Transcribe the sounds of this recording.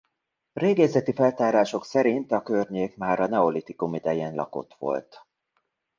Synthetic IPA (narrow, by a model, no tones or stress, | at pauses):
reːɡɛzɛt̪ifɛlt̪aːɾaːʃo̞ksɛɾint̪ɒkørɲeːkmaːɾɒnɛo̞lit̪ikumid̪ɛjeːnlɒ̰ko̞̰t̪ʋo̞̰lt̪